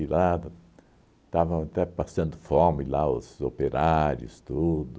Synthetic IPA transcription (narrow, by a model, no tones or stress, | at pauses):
ila | t̪avɐ̃at̪ɛpasɐ̃nd̪ʊfɔmɪlaʊ̰zopeɾaɾʊst̪ud̪ʊ